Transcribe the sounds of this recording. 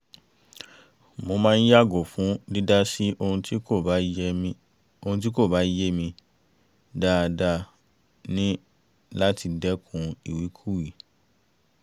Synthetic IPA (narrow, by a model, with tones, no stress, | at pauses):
mo˧mãː˦n̩˦ja˦˨ɡo˨fũ˨˦di˦da˦si˦ʔo˧ũ˧ti˦ko˦˨a˨˦˧ | o˧hũ˧t̬i˦ko˦˨ba˨˦je˦mĩ˧ | da˦˧da˦ | nĩ˦ | la˦ti˧dɛ˦kʰũ˧i˨wi˨˦kʰu˦˨wi˨